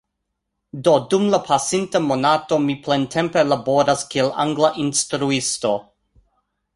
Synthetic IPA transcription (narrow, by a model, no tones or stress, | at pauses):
dodumlapʰasintamonato̞miplentʰe̞mpe̞labo̞ɾaskiela̰ŋɡlaʔinstɾuisto̞